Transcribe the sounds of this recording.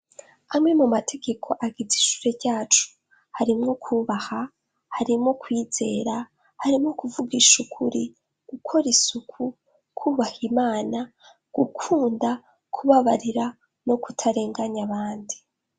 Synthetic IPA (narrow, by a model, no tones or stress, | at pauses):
amŋe̞mumatʰe̞ɡe̞kʰo̞ʔaɡiziʃu̥ːɾe̞ɟaːt͡ʃu̥ | haɾimŋo̞kʰuːβaha | haɾimŋo̞kwiːz̥e̞ːɾa | haɾimŋo̞kuvuɡiʃukʰuɾi | ɡ̥ukʰo̞ɾisukʰu | kʰuːβahimaːna | ɡ̥ukʰuːnda | kʰuβaβaɾiɾa | no̞kutʰaɾe̞ːŋɡaɲaβaːndi